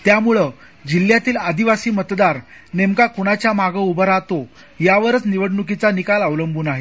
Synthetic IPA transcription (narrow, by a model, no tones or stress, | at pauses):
t̪jamuɭə | d͡ʑil̤jat̪iːlad̪iʋasiːmət̪d̪aɾnemkakuɽ̃at͡ɕjamaɡəubəɾat̪o | jaʋəɾət͡sniʋəɽɳukit͡sanikaləʋləmbʱuːnaɦe